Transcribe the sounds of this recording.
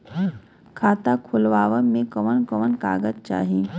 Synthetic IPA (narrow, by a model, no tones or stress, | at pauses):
kʰaːt̪akʰʊlʋaːʋəmẽkəʋənkəʋənka̰ːɡət̪̚t͡ʃa̰ːɦi